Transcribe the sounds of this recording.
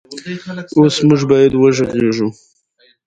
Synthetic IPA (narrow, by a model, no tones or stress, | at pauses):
osmʊʒbɑjad̪wəʒəɣeʒu